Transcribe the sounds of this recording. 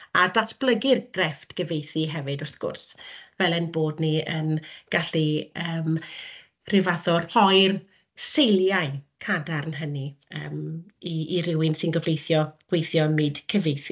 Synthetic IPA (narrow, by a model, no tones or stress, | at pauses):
adatʰb̥lˠəɡɪrɡ̥rɛftɡ̥əvejθiɦɛvɨdʊrθɡ̥ʊ̰rsvɛlˠɛnboːdniənɡ̥aɬiəːm | rɪvaðɔrhɔjr | sejlˠjaɨkʰadarnɦəniə̰ːmiiɾɪwɪnsɪnɡɔvejθjɔɡ̥wejθjɔmɨd̥kʰəvejθi